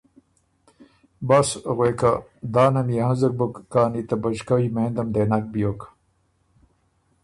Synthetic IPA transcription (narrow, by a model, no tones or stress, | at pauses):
bɐsɣweːka | d̪aːnɐmijɐhɐ̃zɐk̚bɐkːaːnit̪ɐbɐd͡ʑkɐwimeːnd̪ɐmd̪enɐk̚bijok